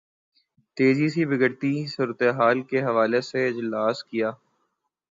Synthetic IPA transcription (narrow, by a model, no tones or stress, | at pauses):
t̪eːzisibɪɡəɽt̪isuːɾət̪eɦaːlkeɦɐʋaːleseɪd͡ʒlaːskijaː